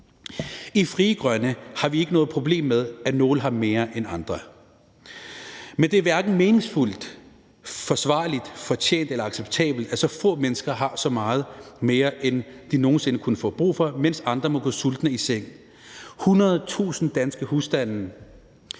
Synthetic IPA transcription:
ifʁiːɡ̥ʁɶnəhɑ̈ʋie̝ɡ̥ənɔ̽ːð̩ˠpʰʁo̝ble̝̰ːmːeð̞ˠæno̝ːləɦɑ̈me̝ːɐʔenɑ̈nd̥ʁɐ | mend̥e̝æɐʋæɐɡ̥n̩me̝ːne̝ŋsful̰d̥ | fɒ̽sʋɑ̰̈ːlid̥fɒ̽t͡ɕʰḛːnd̥elɐɑ̈ɡ̥seb̥̚t͡sʰɛ̰ːb̥l̩d̥æsɒ̽fɔ̰̽ːmenəsɡ̥ɐɦɑ̈sɒ̽mɑ̈ːð̞̩ˠme̝ːɐʔend̥ino̝ːn̩se̝nəkʰunəfɔ̰̽ːb̥ʁṵːfɒ̽men̰sɑ̈nd̥ʁɐmɒ̽ɡ̥ɔ̰ːsuld̥nəiseŋ̰̩ | hunɐð̞ˠt͡sʰṵːsn̩d̥ænsɡ̥əhusd̥æn̰n̩

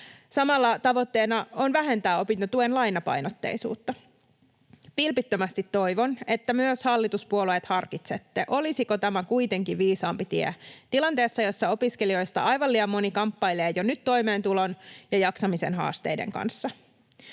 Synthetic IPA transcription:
sɑmɑlːɑt̪ɑʋo̞t̪ːe̞ːnɑonʋæɦent̪æːo̞pint̪ɑt̪uenlɑjnɑpɑ̰jnot̪ːḛisṵːt̪ːɑ | pilpit̪ːømæst̪it̪ːo̞ijʋonet̪ːæmyøshɑlːit̪uspuolueːt̪hɑrkit̪set̪ːeʔo̞lisikot̪æmækuijt̪e̞ŋkiʋiːsɑːmpit̪iḛt̪ilɑnt̪e̞ːsːɑjo̞sːɑo̞piskelio̞jst̪ɑ̰ʔɑjʋɑlːiɑmːo̞nikɑmpːɑjleːjonyt̪to̞ime̞ːnt̪ulo̞njɑjɑksɑmisḛnɦɑ̰ːst̪e̞̰jdḛŋkɑ̰nsːɑ

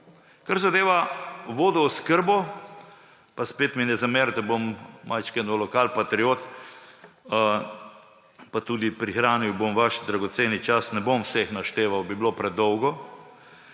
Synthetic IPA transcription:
kaɾzad̪eːʋaʋoːd̪ɔːskəɾbɔ | paspeːt̪minɛzameɾt̪abommʔajt͡ʃkɛnɔlɔkalpat̪ɾioːt̪ | pat̪ud̪ipɾixɾaːniwbomʋaʃd̪ɾaɡɔt̪seːnit͡ʃasnɛbomwsexnaʃt̪eːʋawbiblopɾɛd̪ɔwɡɔ

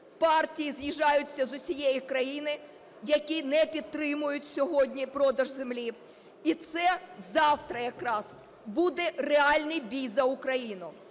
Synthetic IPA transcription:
pɑrtʲijizjiʒɑjʊt͡sʲːɐzʊsʲijejikɾɐjinɪ | jɐkʲinɛpʲid̪̚t̪ːɾɪmʊjʊtʲsʲɔɦɔdʲnʲipɾɔd̪ɐʒzemlʲi | it̪sɛzɑwt̪ɾɐjɐkɾɑz | bud̪ɛreɑlʲnɪjbʲijzɐʊkɾɐjinʊ

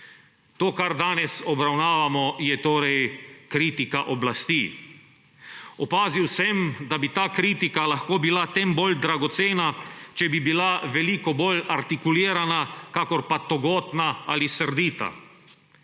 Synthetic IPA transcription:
t̪oːkaɾd̪aːnɛsɔbɾawnaːʋamɔjɛt̪oːɾɛjkɾiːt̪ikaʔɔblast̪iː | ɔpaːziwsɛmd̪abit̪aːkɾiːt̪ikalaxkoːbilat̪ɛmbold̪ɾaɡɔt̪seːnat͡ʃɛbibilaʋɛlikɔboːlaɾt̪ikuliːɾanakakɔɾpat̪ɔɡɔːt̪naaːlisəɾd̪iːt̪a̰

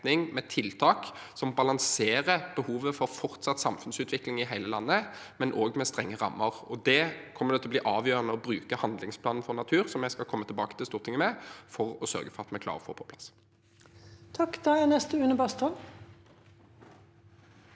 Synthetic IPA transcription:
nɪŋmɛt̪ʰɪlt̪ʰɑːksɔmbɑlɑŋseːʁəb̥əhuːʋəfɔʁfɔʁt̪sɑt̪sɑmfʉnsʉːt̪ʰʋɪklɪŋɪɦæɪləlɑnːəmɛnʔoːɡmɛst̪ʁɛŋːəʁɑ̰mːəʁɔd̪ɛkʰɔmːəd̪ɛt̪ʰlɔb̪liːʔɑːʋjøːʁənəɔbʁʉːkəhɑnd̪lɪŋspʰlɑːnn̩fɔʁnɑt̪ʰʉːʁsɔmjæskɑlkʰɔmːət̪ʰɪlbɑ̰ːkə̥t̪ɪlst̪uːʁt̪ʰɪŋəmɛfɔʁɔsœ̰ʁɡəfɔʁɑt̪mɛklɑ̰ːʁəɔfo̰ːpʰɔpʰlɑs | t̪ʰɑkːd̪ɑænɛst̪əʉːnəbɑst̪ɔl

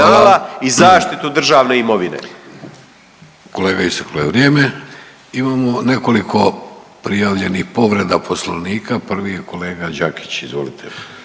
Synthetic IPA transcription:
alaizaːʃt̪it̪ud̪r̩ʒaːʋneimoʋinḛ | ko̞le̞ːɡaist̪aklojeʋɾjeːme | imaːmo̞ne̞ko̞likʰo̞pɾijaːʋʎe̞nixpo̞ʋɾe̞d̪apʰosloʋniːkʰapr̩ʋijeko̞le̞ːɡad͡ʒaki̥t͡ɕizʋolit̪ʰe

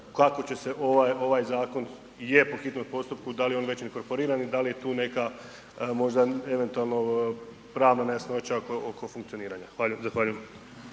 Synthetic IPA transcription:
kako̞t͡ɕe̞se̞ʔo̞ʋajo̞ʋajzaːko̞n | jepoxit̪nut̪̚po̞st̪up̚kud̪alijeonʋe̞t͡ɕneko̞ɾpo̞ɾiːɾanid̪alije̞t̪uːne̞ka | mo̞ʒd̪ae̞ʋe̞nt̪ualˠno̞ | pɾaːʋnanejasno̞t͡ɕaokookʰo̞fuŋkt̪io̞niːɾaɲaxʋaːʎujmzaxʋaːʎujem

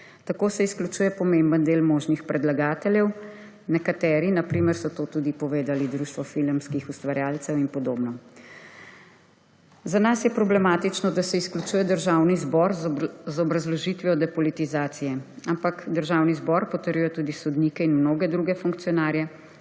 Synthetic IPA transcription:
t̪akoːsɛisklʲut͡ʃuːjɛpɔmembənd̪eːlmɔːʒnixpɾɛd̪laɡaːt̪ɛljɛw | nɛkat̪ɛːɾinapɾiːməɾsɔt̪oːt̪ud̪ipɔʋeːd̪alid̪ɾuːʃt̪ʋɔfilmskixust̪ʋaɾjaːlt̪sɛwinpɔd̪oːbnɔ | zanasjɛpɾɔblɛmaːt̪it͡ʃnɔd̪asɛisklʲut͡ʃuːjɛd̪əɾʒawnizbɔɾzɔbɾazlɔʒit̪ʋijɔd̪ɛpɔlit̪izaːt̪sijɛampakd̪əɾʒawnizbɔɾpɔt̪əɾjujɔt̪ud̪isɔd̪niːkɛinmnoːɡɛd̪ɾuɡɛfuŋk̚t̪sijɔnaːɾjɛ

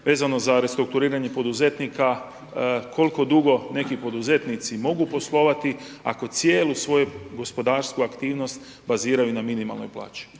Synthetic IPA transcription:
ʋe̞ːzano̞zaɾe̞st̪ɾuk̚t̪uɾiːɾaɲe̞po̞d̪uze̞t̪nika | kʰo̞lko̞d̪uɡo̞ne̞kipo̞d̪uze̞t̪nit̪simo̞ɡupo̞slˠo̞ʋat̪i | a̰ko̞t̪sjeːlusʋo̞juɡo̞spo̞d̪aːɾskuakt̪iːʋno̞st̪ | baziːɾajunaminima̰lˠno̰jplˠa̰ːt͡ʃi̥

